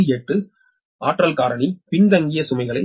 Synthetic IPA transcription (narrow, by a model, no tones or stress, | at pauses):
eʈːɯ | ʔaːʈrɐlkaːɾɐɳipɪɳdɐŋɡɪjɐsʊmɐɪɣɐɭɐɪ